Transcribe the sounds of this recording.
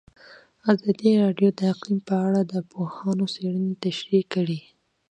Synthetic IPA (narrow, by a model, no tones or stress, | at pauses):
azɑd̪iɾɑɖjod̪əaqlimpəaɽad̪əpohɑnoseɽənet̪aʃɾikːəɽi